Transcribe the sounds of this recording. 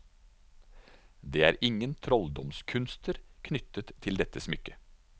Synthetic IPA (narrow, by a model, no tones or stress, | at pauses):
d̪eːæ̰ːɾʔɪŋənt̪ʰɾɔld̪ɔmskʰʉnst̪ʰəɾkʰnʏt̪ət̪ʰɪld̪ɛt̪əsmʏkə